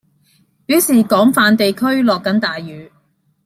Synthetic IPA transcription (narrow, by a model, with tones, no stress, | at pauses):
piː˨˥wsiː˨˩kɔː˨˥ŋfaː˨˧nt̪e˨jkʰɵ˥ɥlɔː˨kːɐ˨˥nt̪aː˨jːyː˨˧